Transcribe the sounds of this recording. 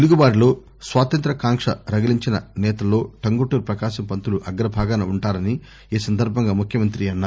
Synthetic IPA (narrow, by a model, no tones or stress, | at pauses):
t̪eluɡuʋaːɾilo̞ː | sʋaːt̪ɐnt̪ɾɐkaːŋkʂɐ̰ɾɐɡɐliɲt͡ʃinɐ̰nɛːt̪ɐlːo̞ːʈɐŋɡoʈuːɾpɾɐkaːʃɐmpɐnt̪uluʔɐɡɐɾɐbʱaːɡanɐuɳʈaːɾɐni | iːsɐnd̪ʱɐɾbʱɐŋɡaːmukʰjɐmɐnt̪ɾiɐnːaː